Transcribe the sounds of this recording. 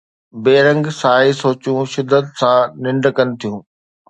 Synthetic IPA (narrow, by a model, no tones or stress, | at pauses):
beːɾə̃ŋɡsaːɦisoːt͡ɕũʃɪd̪ʱːət̪sãnɪ̃ɳɖkənɪ̆t̪ʰijũː